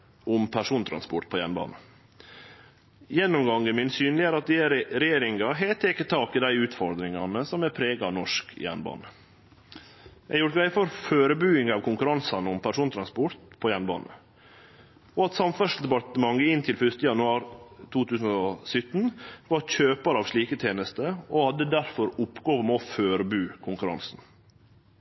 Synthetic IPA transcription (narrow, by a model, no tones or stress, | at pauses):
ʔʊmpʰæʂuːnt̪ʰɾɑ̰nspʊʈ̪̚pʰɔːjæ̰nbɑ̰ːnə | jɛnːʊmɡɑŋːəmɪnsyːnlɪæːɾɑt̪̚d̪ɪæɾɛjeːɾɪŋɑɦɛt̪ʰːɪkːət̪ʰɑːkɪd̪æɪʉːt̪fɔɾd̪ɾɪŋɑnəsɔmæpʰɾeːɡɑnɔʂkjæ̰nbɑ̰ːnə | jæjʊɾʋæɪfɔɾføːɾəbʉːɪŋɑːʋkʰʊŋkʉɾɑnsɑnəɔmpʰæʂuːnt̪ʰɾɑnspʊɾt̪pʰɔjænbɑ̰ːnə̰ | ɔɑt̪sɑmfœʂd̪ɛpɑʈ̪əmɑŋəɪnt̪ʰɪlfʏst̪əjɑnʉɑːɾt̪ʰuːt̪ʰʉːsn̩ɔsʏt̪ːnʋɑɾçøːpɑɾɑːʋʂɭiːkət̪ʰjeːnəst̪əɔhɑd̪ːəd̪æɾfɔɾʊpːɡoːʋəmɔføːɾəbʉːkʰʊŋkʉɾɑ̰nsn